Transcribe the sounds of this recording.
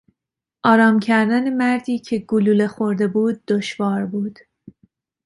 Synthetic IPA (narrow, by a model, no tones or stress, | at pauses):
ʔɒːɾɒːmcʰæɾd̪æne̞mæɾd̪iːcʰeɡuluːle̞xoɾd̪e̞buːd̪̚ːoʃvɒːɾbuːd̪̥